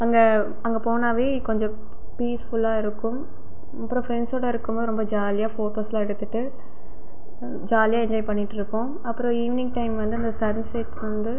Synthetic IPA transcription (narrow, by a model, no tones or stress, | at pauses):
ɐŋɡɐ | ɐŋɡɐpoːnaːʋeːkɔɲd͡ʒɔ̃ | piːsfʊlːaːɪɾɯkːʊm | ɐpːɯɾõːfɾɛnɖsoːɽɐɪɾɯkːɯmboːðɯɾɔmbɐd͡ʒaːlɪjaːfoːʈoːsɛlaːɛɽɯt̪ːɯʈːɯ | d͡ʒaːlɪjaːɛɲd͡ʒɔːɪpɐɳːɪʈːɪɾɯkːʊ̃ | ɐpːɯɾõiːʋɪnɪ̃ŋɡʈɐɪmʋɐnd̪ɯɐnd̪ɐsɐnsɐʈʋɐnd̪ɯ